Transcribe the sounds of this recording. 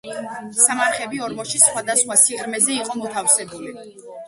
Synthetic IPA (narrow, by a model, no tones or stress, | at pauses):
samaɾχɛbiɔɾmɔʃisχwad̪asχwasiqʼɾmɛzɛiqʼɔmɔt̪ʰafsɛbuli